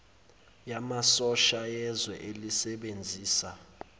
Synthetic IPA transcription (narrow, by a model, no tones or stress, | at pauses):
jamasɔʃajɛzwɛ̰ʔelisɛɓend͡zʱiːsa